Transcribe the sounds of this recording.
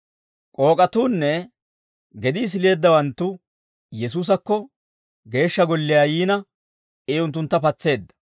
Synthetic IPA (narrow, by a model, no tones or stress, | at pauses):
kʼo̞ːkʼɐt̪uːnːɛ | ɡɛd̪ɪːs̬ɪle̞ːd̪ːɐwɐnt̪ːʊ | jɛs̬uːs̬ɐkːɔ | ɡe̞ːʃːɐɡɔlːɪjaːjiːnɐ | ɛːʊnt̪ːʊnt̪ːɐpɐt͡sːe̞ːd̪ːɐ̥